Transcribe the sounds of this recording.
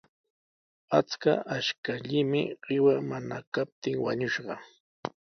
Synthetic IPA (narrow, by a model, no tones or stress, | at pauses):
at͡ska̰ʔaʃkaʎɪmɪɢɪwamana̰kap̚t̪ɪŋwa̰ɲʊʃɢɑ